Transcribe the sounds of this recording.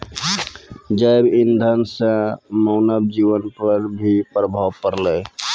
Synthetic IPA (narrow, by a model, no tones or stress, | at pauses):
d͡ʒajbind̪ʱənsə̃məʊnəb̚d͡ʒiʋənpəɾbʱipɾəbʱawkəɾlə